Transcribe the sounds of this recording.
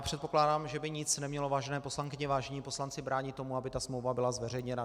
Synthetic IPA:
pr̥ɛt̪po̞klaːdaːmʒɛbɪɲɪt͡snɛmɲɛlo̞vaːʒɛnɛːpo̞slaŋkɪɲɛvaːʒɛɲiːpo̞slant͡sɪbɾaːɲɪt̪ːomuabɪt̪asmlowvabɪlazvɛrɛjɲɛna

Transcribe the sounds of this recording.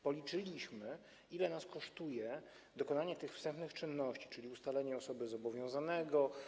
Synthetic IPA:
pɔlʲit͡ʂɘlʲiɕmɘ | ilɛnaskɔʂt̪ujɛ | d̪ɔkɔnaɲɛt̪ɘxfst̪ɛmpnɘxt͡ʂɘnːɔɕt͡ɕi̥t͡ʂɘlʲiust̪alɛɲɛɔsɔbɘzɔbɔvʲjɔ̃w̃zanɛɡɔ

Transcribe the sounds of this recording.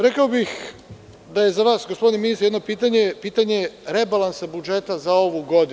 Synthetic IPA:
ɾekaobix | d̪aje̞zaʋaːsɡospo̞d̪ineminist̪ɾjed̪nopiːt̪aɲepiːt̪aɲe̞ɾebalˠansabud͡ʒe̞t̪azao̞ʋuɡo̞d̪i

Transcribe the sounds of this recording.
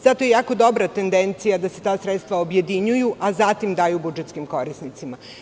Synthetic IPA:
z̥at̪o̞jejaːko̞d̪o̞bɾat̪e̞nd̪ent̪sijad̪ase̞t̪aːsɾet̪st̪ʋaobje̞d̪iɲujuʔazat̪imd̪aːjubud͡ʒet̪skimko̞ɾisnit̪sima

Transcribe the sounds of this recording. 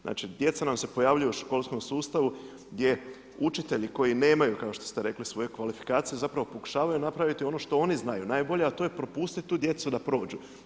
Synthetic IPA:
zna̰ːt͡ʃid̪je̞t̪sanamse̞po̞jaʋʎujeuʃko̞lˠsko̞msuːst̪aʋu | ɡd̪je̞ | ut͡ʃit̪e̞ʎiko̞jine̞ːmajukaoʃt̪o̞st̪eɾe̞klisʋo̞jekʋalifi̥kaːt̪sije̞zapɾaʋo̞po̞ku̥ʃaːʋajunapɾaʋit̪io̞no̞ʃt̪o̞o̞niznajunaːjbo̞ʎeat̪ojepɾo̞puːst̪it̪̚t̪ːuːd̪je̞t̪sud̪apɾo̞ːd͡ʒu

